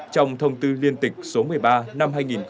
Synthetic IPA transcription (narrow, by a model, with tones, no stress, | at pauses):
t͡ɕɔ˧wŋ͡mt̪ʰə˧wŋ͡mt̪ɨ˧li˧ənt̪ï˨˩k̟̚so˨˦mɨ˨˩əjɓaː˧na˧mɦaː˧jŋi˨˩n